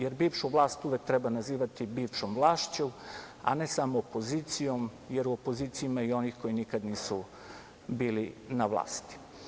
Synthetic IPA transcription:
je̞ɾbiːʋʃuʋlˠaːst̪uʋe̞k̚t̪ɾebanaziːʋat̪ibiːʋʃomʋlˠaːʃt͡ɕom | a̰ne̞samoːpo̞ziːt̪sijo̞m | je̞ɾuopo̞ziːt̪sijimaio̞nixko̞jinikad̪niːsu | biːlinaʋlˠa̰ːst̪i̥

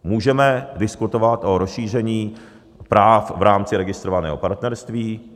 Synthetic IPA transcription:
muːʒɛmɛdɪskut̪ovat̪ʔoɾosʃiːr̝ɛɲiː | pɾaːfvɾaːmt͡sɪɾɛɡɪst̪ɾovanɛːɦo̞paɾt̪nɛɾst̪viː

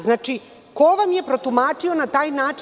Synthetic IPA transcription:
znaːt͡ʃi | koʋamje̞pɾo̞t̪umaːt͡ʂio̞nat̪aːjnaːt͡ʃ

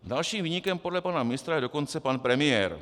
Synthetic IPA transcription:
dalʃiːmviːɲɪkɛmpodlɛpanamɪnɪst̪ɾajɛdo̞ko̞nt͡sɛpanpɾɛmɪjɛːɾ

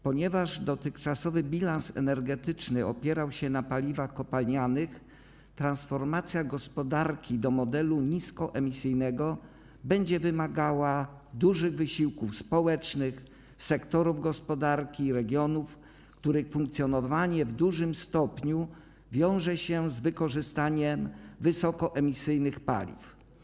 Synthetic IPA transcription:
pɔɲɛvaʐd̪ɔt̪ɘxt͡ʂasɔvɘbʲilansɛ̰nɛɾɡɛt̪ɘt͡ʂnɘɔ̰pʲjɛɾawɕɛnapalʲivaxkɔpalɲanɘx | t̪ɾansfɔɾmat̪sʲjaɡɔspɔd̪aɾkʲid̪ɔmɔd̪ɛluɲiskɔʔɛmʲisɘjnɛɡɔ | bɛɲd͡ʑɛvɘmaɡawa | d̪uʐɘɣvɘɕiwkufspɔwɛt͡ʂnɘx | sɛkt̪ɔɾuvɡɔspɔd̪aɾkʲiːɾɛɡʲjɔnuf | kt̪uɾɘxfuŋk̚t̪sʲjɔnɔvaɲɛvd̪uʐɘmst̪ɔpɲu | vʲjɔ̃w̃ʐɛɕɛzvɘkɔʐɘst̪aɲɛmvɘsɔkɔʔɛmʲisɘjnɘxpa̰lʲḭf

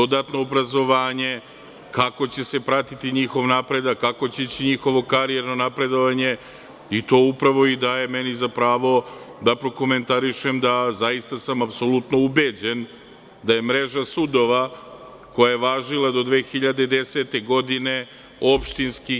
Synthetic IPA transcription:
d̪o̞d̪at̪no̞ːbɾazo̞ʋaːɲe̞ | kako̞t͡ɕe̞se̞pɾat̪it̪iɲixo̞ʋnapɾe̞d̪akːako̞t͡ɕeit͡ɕiɲixo̞ʋo̞kaɾieɾno̞napɾe̞d̪o̞ʋaɲe̞ | it̪o̞ːupɾaʋo̞id̪aːje̞menizapɾaːʋo̞d̪apɾo̞ko̞me̞nt̪aɾiʃe̞md̪azajist̪asamapso̞lˠut̪no̞ubed͡ʑe̞n | d̪aje̞mɾe̞ʒasud̪o̞ʋa | ko̞jajeʋaːʒilˠad̪o̞d̪ʋe̞ːxiʎad̪ed̪eset̪e̞ɡo̞d̪ine̞ | o̞pʃt̪inski

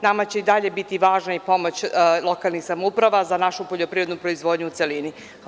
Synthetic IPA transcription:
namat͡ɕe̞id̪aʎe̞bit̪iʋaːʒnaipo̞mo̞t͡ɕlˠo̞kalˠnixsamoupɾaʋazanaʃupo̞ʎo̞pɾiɾo̞d̪nupɾo̞izʋo̞ːd̪ɲuuːt̪se̞lini

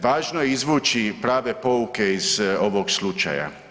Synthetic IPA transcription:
ʋaːʒnojeizʋuːt͡ʃipɾaːʋe̞po̞uke̞iz̥o̞ʋoɡslut͡ʃa̰ja̰

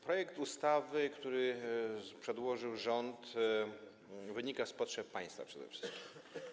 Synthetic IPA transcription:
pɾɔjɛkt̪ust̪avɘkt̪uɾɘ | pʂɛd̪wɔʐɘwʐɔnt̪ | vɘɲikaspɔtʂɛp̚pːaj̃st̪fa̰pʂɛd̪ɛ̰fʂɘ̥skʲi̥mm

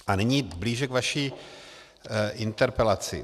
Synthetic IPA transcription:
ʔaniɲiːbliːʒɛkvaʃiː | ʔɪnt̪ɛɾpɛlat͡sɪ̰

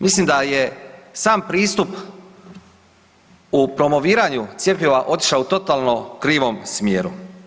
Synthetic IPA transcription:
mislimd̪aje̞saːmpɾiːst̪up | upɾo̞mo̞ʋiːɾaɲut̪sje̞pʎʲiʋaʔo̞t̪i̥ʃlaut̪o̞t̪aːlˠno̞kɾiːʋo̞msmjeːɾu

